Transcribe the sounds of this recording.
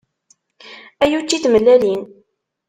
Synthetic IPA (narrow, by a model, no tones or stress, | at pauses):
æjut͡ʃːiθməlːælin